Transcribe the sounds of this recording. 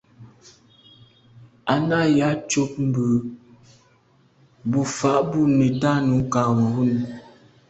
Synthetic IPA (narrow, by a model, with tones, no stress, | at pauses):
a˨na˦˨ja˨˦t͡ʃo˦p̚m̩˨bʉ˨ | bu˦fa˨ʔbu˦ne˨ta˦nu˨˦kaː˨wɔ˨hu˦n˨